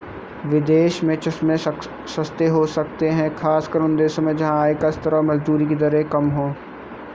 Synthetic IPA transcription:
ʋɪd̪eːʃmẽt͡ʃɪsmẽ | sɐst̪eɦosɐk̚t̪eɦɛ̃kʰaːskɐɾʊ̃nd̪eːʃɐ̃mẽd͡ʒɐɦãːekɐst̪ɐɾəmɐzd̪uːɾikid̪ɐɾɦekɐmɦõː

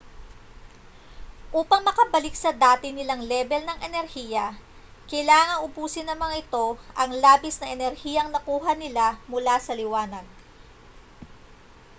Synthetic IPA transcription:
ʔuːpɐŋmɐkɐbɐlɪksɐd̪aːt̪ɪnɪlaŋlɛbɛlnɐŋʔɛnɛɾhiːjɐ | kɐjlaːŋɐŋʊbuːsɪnɐmɐŋʔɪt̪o̞ʔɐŋlaːbɪsnɐʔɛnɛɾhiːjɐŋnɐkuːɦɐnɪlamʊlasɐlɪwaːnɐd̪̚

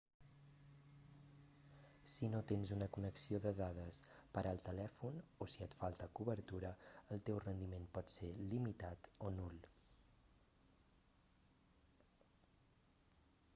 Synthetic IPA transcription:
sinot̪enzunəkunəksioðəðað̞əspəɾʔalˠt̪əlɛfunosiət̪falˠt̪əkuβəɾt̪uɾəəlˠt̪ewrənd̪imenpɔt̪selimit̪at̪onulˠ

